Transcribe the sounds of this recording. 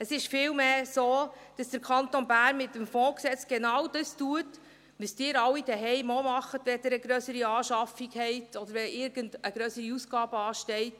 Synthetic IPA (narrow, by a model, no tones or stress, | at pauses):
əsɪʃfɪːlmeːsoːd̥ɑsd̥əɾkʰχɑntonbæːnmɪt̪ːəmfɔ̃ːksɛt͡sɡ̥enɑwd̥əstuət | ʋəsd̥ɪːɾɑwːid̥ɛɦɛɪmɔmɑχətʋɛd̪əɾəɡɾœsəɾiɑːʃɑfiɡhɛɪtɔdəɾʋɛʔɪɾɡ̥əndəɡ̥ɾœsəɾiusɡ̥ɑːb̥əɑːʃtɛɪt